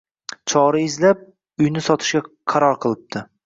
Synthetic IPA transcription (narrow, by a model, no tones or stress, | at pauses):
t͡ʃʰɒɾaɪzlap̚ | ʊjnɪsɒt̪ʰɪ̥ʃɡʲa | qʰɑɾɒɾqʰɨlˠɪp̚t̪ʰɪ